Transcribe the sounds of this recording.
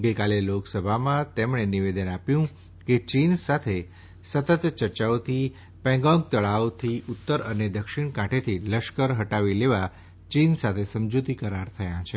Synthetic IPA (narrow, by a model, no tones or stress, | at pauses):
ɡəjkaleloksəbʱamãt̪emɳeniʋed̪ənapjũ | ket͡ʃinsat̪ʰe | sət̪ət̪t͡ʃəɾt͡ʃaot̪ʰi | pɛ̃ŋɡɔ̃ŋɡ̚t̪əɭawt̪ʰiʔʊt̪ːəɾəned̪əkʃiɽ̃kãʈʰet̪ʰiləʃkəɾɦəʈaʋileʋa | t͡ʃinsat̪ʰesəmd͡ʒut̪ikəɾaɾt̪ʰəjãt͡ʃʰe